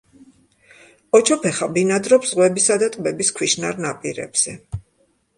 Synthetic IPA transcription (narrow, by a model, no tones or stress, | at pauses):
ɔt͡ʃʰɔpʰɛχabinad̪ɾɔpsz̥ʁwɛbisad̪at̪ʼbɛbiskʰwiʃnaɾnapʼiɾɛ̰bz̥ɛ